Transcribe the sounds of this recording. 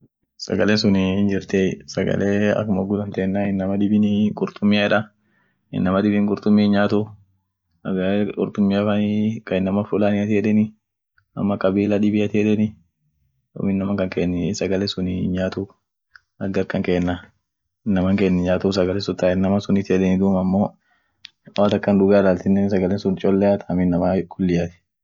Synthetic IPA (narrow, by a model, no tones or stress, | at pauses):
sɐ̰ɡɐlesʊnɪnd͡ʒɪɾt̪esɐɡɐ̰lʔeːɐ̰kːʊmɐɡʊd̪ɐnt̪eːnːaɪnːɐmɐd̪ɪbɪnɡʊɾt̪ʊmːɪjaɪᶑɐ | ɪ̰nːɐmɐd̪ɪbɪŋɡʊɾt̪ʊmːɪnɲaːt̪u | ɐɡɐkʼʊɾt̪ʊmːɪafɐnikɐɪnːɐmɐfʊlaːnɪɐt̪eːᶑɛnɪ | ɐ̰mːɐkɐbiːlɐᶑɪbɪɐt̪iᶑ̪ɛnɪ | do̰mɪnːɐmɐŋkɐŋkeːnːɛsɐɡɐlɛsʊnɪ̰nɲaːt̪uːf | ɐɡɐɾkɐŋkeːnːɐ | ɪnːɐmɐŋkeːnːɛɲaːt̪ufsɐɡɐlɛsʊt̪ːaːɪnːɐmɐsʊnɪt̪ɪɛᶑɛnɪd̪uːmɐmːo̞ː | waːt̪ɐkːɐnd̪ʊɡaːɪlaːlt̪ɪnːɛnsɐɡɐlɛnsʊnt͡ʃʼɔlːɛat̪ʰɐɐmɪnːɐmɐkʊlːɪjat̪ɪ̥